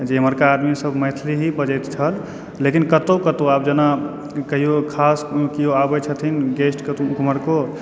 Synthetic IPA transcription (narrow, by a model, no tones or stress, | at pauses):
d͡ʒeməɾkaːd̪misəbmət̪ʰliɦibəd͡ʒɛt̪t͡ʃʰəlː | ekinkət̪okət̪oap̚d͡ʒəna | kəɦijokʰaskioabɛt͡ʃʰət̪ʰinɡesʈk̪kuməɾko